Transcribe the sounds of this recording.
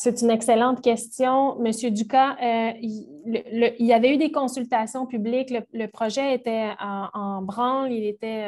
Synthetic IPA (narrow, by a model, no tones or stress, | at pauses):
set̪ynɛkselɑ̃t̪kʲɛst̪jɔ̃məsjød̪ykaøi | lələilavɛyd̪ekɔ̃sylt̪asjɔ̃pyblɪklələpχɔʒɛet̪ɛɑɑ̃bʁɑ̃lilet̪ɛ